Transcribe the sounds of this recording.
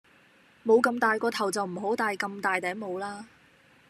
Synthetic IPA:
mo˨˧wkɐ˧mt̪aː˨jkɔː˧t̪ʰɐ˨˩wt͡sɐ˨wm̩˨˩ɦo˨˥wt̪aː˨jkɐ˧mt̪aː˨jt̪ɛː˨˥ŋmo˨˧wlaː˥

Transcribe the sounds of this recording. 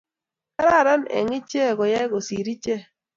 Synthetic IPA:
ka˦ɾa˦˨ɾa˦nɛ̰˨ŋɪ˦t͡ʃe˦˨ɡɔ˨ja˦ɡo˨si˨ɾi˦t͡ʃe˦

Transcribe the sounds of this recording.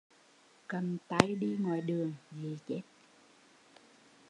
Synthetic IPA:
kə˨˩mt̪a˧˩jɗi˧ŋwa̰ː˨jɗɨ˨˩əŋzi˨˩t͡ɕe˦˥t̚

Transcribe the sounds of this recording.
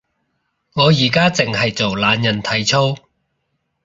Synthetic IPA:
ŋɔː˨˧jiː˨˩kaː˥t͡sɪ˨˩ŋhɐ˨jt͡so˨wlaː˨˧njɐ˨˩nt̪ʰɐ˨˩jt͡sʰo˥w

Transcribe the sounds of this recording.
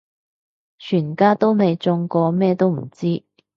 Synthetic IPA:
t͡ʃʰyː˨˩nkaː˥t̪o˥wne˨˧jt͡sʊ˧ŋkɔː˧mɛː˥t̪o˥wm̩˨˩t͡siː˥

